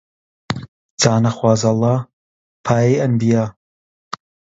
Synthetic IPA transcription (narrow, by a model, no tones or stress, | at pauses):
d͡zaːnɐxwɑːzɐlˠːɑː | pʰaːjejʔɐmbijaː